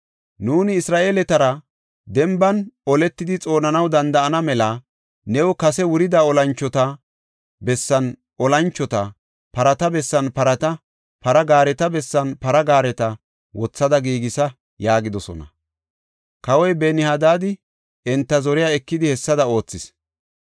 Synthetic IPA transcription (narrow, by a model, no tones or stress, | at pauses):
nuːnɪːsɾaːʔeːlɛt̪ɐɾɐ | d̪ɛmbɐnɔlɛt̪ːɪd̪ɪt͡sʼo̞ːnɐnɐwd̪ɐnd̪ɐʔɐnɐmɛlɐ | nɛwɔkɐsɛwʊɾɪd̪aːɔlɐnt͡ʃːɔt̪ɐ | bɛsːɐn | ʔɔlɐnt͡ʃːɔt̪ɐ | pɐɾɐt̪ɐbɛsːɐnpɐɾɐt̪ɐ | pɐɾɐɡaːɾɛt̪ɐbɛsːɐnpɐɾɐɡaːɾɛt̪ɐ | wɔt͡sːɐd̪ɐɡiːɡɪsɐ | jaːɡɪd̪ɔsɔ̰nɐ̰ | kɐwɔjbɛnɪhad̪aːd̪ɪ | ɛnt̪ːɐzɔɾɪjaːɛkːɪd̪ɪhɛsːɐd̪ɐo̞ːt͡sːɪs